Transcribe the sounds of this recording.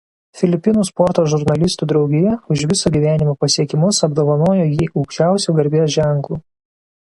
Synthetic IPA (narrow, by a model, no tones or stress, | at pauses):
fʲɪlʲɪpʲɪnuːspɔɾt̪oːʒʊɾnɐlʲɪst̪uːd̪ɾɒʊɡʲɪjɛʊʃʋʲɪsoːɡʲiːʋʲæːnʲɪmoːpɐsʲiɛkʲɪmʊsɐbd̪oːʋɐnoːjoːjiːʔɐʊkʃʲt͡ʃʲæˑʊsʲuːɡɐɾʲbʲiɛʒʲæˑŋklˠuː